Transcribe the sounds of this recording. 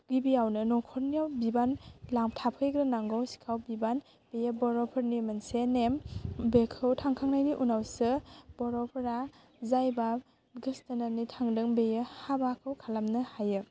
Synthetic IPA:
ɡibiawnɯnɔkʰɔɾniawbibanlaŋtʰapʰɯjɡɾanaŋɡɔwsi̥kʰawbiban | b̥ejəbɔɾɔpʰɯɾnimɐnsenembekʰɯwtʰaŋkʰaŋnajniʔunawsɯb̥ɔɾɔpʰɾa | zajba | ɡɯstananitʰaŋdɯŋbejɯhabakʰɯwkʰalamnɯhajɯ

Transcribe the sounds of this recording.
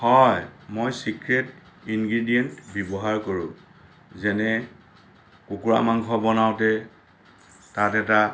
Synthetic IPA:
hɔjmojsikɹet | inɡɹidijɛntbjɔbɔɦaɹkoɹũ | zɛnɛ | kukuɹa̰maŋɡʱɔbɔnawtɛ | tatɛta

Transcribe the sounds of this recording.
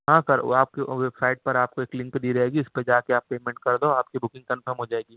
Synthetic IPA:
ɦãːkɐɾ̰aːpkeʋɛbsaːɪʈ̚pɐɾaːp̚koeːklɪ̃ŋkd̪iːɾɐɦeːɡiʊsped͡ʒaːkeaːpːeːmɛ̃ɳʈ̚kɐɾd̪oaːp̚kibʊkɪ̃ŋɡ̚kɐnfʰəɾmɦod͡ʒaːeːɡiː

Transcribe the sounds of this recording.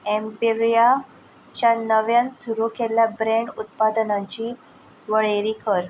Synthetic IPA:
empiɾja | t͡ɕjanəʋjãnsuɾuːkeljabɾẽɳɖut̪̚pad̪ənãɲt͡ɕiː | ʋəɭeɾiːkʰəɾ

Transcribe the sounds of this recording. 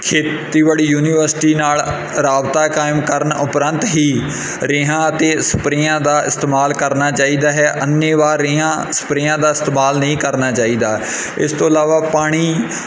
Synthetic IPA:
kʰeːt̪iːʋaːɽiːjuːniːʋəɾsʈiːnaːl | ɾaːbt̪aːkaːɪmkəɾənʊpɾənt̪ɦiː | ɾeːɦãːət̪eːsə̥pɾijãːd̪aːʔɪ̰st̪eːmaːlkəɾnaːt͡ʃaːiːd̪aːɦɛːʔənːẽːʋaːɾːeːɦãː | sə̥pɾɪjãːd̪aːɪst̪eːmaːlnəɦĩːkəɾnaːt͡ʃaːiːd̪aː | ɪ̰st̪õːəlaːʋaːpaːɽ̃iː

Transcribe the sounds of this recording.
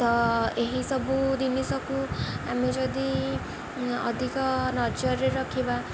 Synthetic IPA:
t̪ʌeɦisʌbud̪inisʌkuɦamid͡zʌd̪i | ʌ̰d̪ʱikʌnʌd͡zʌɾːeɾʌkʰeba

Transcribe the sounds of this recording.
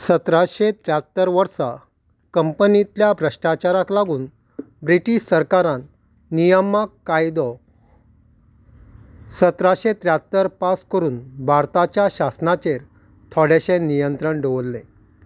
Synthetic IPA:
sət̪ɾaɕet̪ɾjat̪ːəɾʋəɾsa | kəmpənit̪ljabʱɾəɕʈat͡ɕaɾaklaɡuːn | bɾiʈiɕsəɾkaɾãnː | ijəmakːajd̪ɔ | sət̪ɾaɕet̪ɾjat̪ːəɾpaskəɾuːnbʱaɾt̪at͡ɕjaɕasnat͡ɕeɾ | t̪ʰɔɽeɕenijənt̪ɾəɳɖoʋəlːẽ

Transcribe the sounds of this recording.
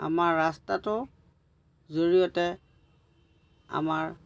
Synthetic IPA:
a̰maɹːastatʊ | zoɹijɔtɛ | a̰maɹ

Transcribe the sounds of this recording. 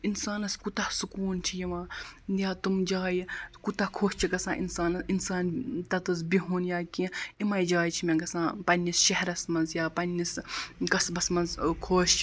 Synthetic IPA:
insaːnɐskut̪ɐhsukuːnt͡ʃʰijiʋãːjaːt̪umd͡ʒaːjikut̪ɐhkʰoːʃt͡ʃʰiɡɐsã̰ːʔḭnsaːnɐinsaːnt̪ɐt̪ɐs̬biɦuːnjaːkĩimɐjd͡ʒaːjt͡ʃʰimẽɡɐsãːpɐnʲːisʃɐɦɐɾɐsmɐnzjaːpɐnːiskɐsbɐsmɐnzkʰoːʃt͡ʃʰ

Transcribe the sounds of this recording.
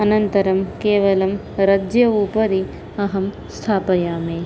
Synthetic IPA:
ɐnɐnt̪ɐɾɐmkeːʋɐlɐm | ɾɐd͡ʒjɐuːpɐɾi | ɐɦɐm | st̪ʰaːpɐjaːmeː

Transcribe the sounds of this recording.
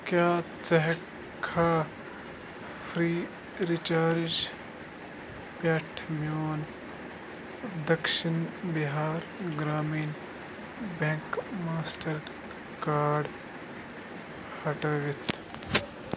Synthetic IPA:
kjaːt͡sɐɦ | kʰaː | fʰɾiː | ɾit͡ʃaːɾd͡ʒ | paːʈʰmjoːn | d̪ɐkʃinbiɦaːɾɡɾaːmiːn | bẽŋkmaːsʈɐɾ | kaːɖ | hɐʈɐːʋit̪ʰ

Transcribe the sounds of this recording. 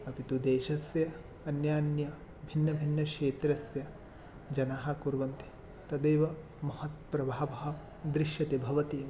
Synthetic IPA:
ɐpit̪ud̪eːʃɐsjɐ | ɐnjaːnjɐ | bʱinːɐbʱinːɐʃeːt̪ɾɐsjɐ | d͡ʒɐnaːɦɐ̆kuɾʋɐnt̪i̥ | t̪ɐd̪eːʋɐ | mɐhɐt̪pɾɐbʱaːʋɐɦɐ̆ | d̪ɾiʃjɐt̪ebʱɐʋɐt̪i

